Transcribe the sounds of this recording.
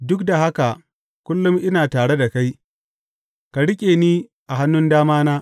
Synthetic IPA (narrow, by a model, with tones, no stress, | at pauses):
dʊ˦k̚da˨ɦa˦ka˨ | kʷʊ˦lːʊ˦mʔɪ˦naː˨taː˨ɽe˦da˨ka˦j | ka˨ɽɪ˦kʲʼeː˨niː˦ | ʔa˨ɦa˦nːʊ˦ndaː˦maː˦naː˦